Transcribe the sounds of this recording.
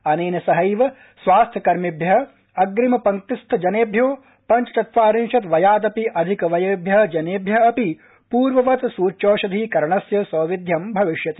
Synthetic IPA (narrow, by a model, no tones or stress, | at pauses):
ɐneːnɐsɐɦɐjʋɐ | sʋaːst̪ʰjɐkɐɾmibʱjɐɦɐ | ɐɡɾimɐpɐŋt̪ist̪ʰɐd͡ʒɐneːbʱjoː | pɐnt͡ʃɐt̪ɐt̪ʋaːɾinʃɐt̪ʋɐjaːd̪ɐpiʔɐd̪ʱikɐʋɐjeːbʱjɐɦɐd͡ʒɐneːbʱjɐɐpi | puːɾʋɐʋɐt̪suːt͡ʃoːʃɐd̪ʱikɐɾɳɐsjɐsɐːʋid̪ʱjɐmbʱɐʋiʃjɐt̪i